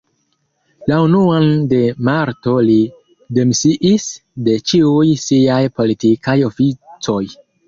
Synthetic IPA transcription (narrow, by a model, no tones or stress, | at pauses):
launuande̞maɾto̞li | de̞msiʔisde̞t͡ʃiujsiajpo̞litikajo̞fit͡so̞j